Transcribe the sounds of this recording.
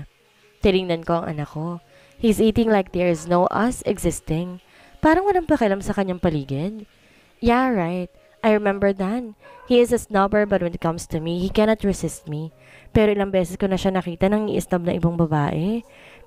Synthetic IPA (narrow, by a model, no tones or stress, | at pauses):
t̪ɪnɪŋnɐnkoʔɐŋʔɐ̰nɐkːo | hizʔiːt̪ɪ̃ŋlajk̚d̪ɛɹznowʔɐsɛɡzɪst̪ɪ̃ŋ | paːɾɐŋwɐlaŋpɐkɐʔɐlamsɐkɐɲːaŋpɐliːɡɪd̪̚ | jaɹajt̪̚ | ʔajɹɛmɛmbəɹd̪ɐnhiɪzɐsnɐbəɹbɐt̪wɛnɪt̪̚kɐ̃mst̪ʰumihikɛnɐt̪ɹɛsɪst̪̚mi | pɛːɾo̞ʔɪlɐŋbɛːsɛsko̞nɐʃanɐkiːt̪ɐnɐŋḭʔɪst̪ɐb̚nɐʔɪbaŋbɐbaːʔɛ